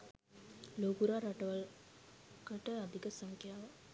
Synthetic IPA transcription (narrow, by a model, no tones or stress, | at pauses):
loɡuɾaɾaʈəʋa | kəʈəad̪ikəsaŋkʰjaːʋa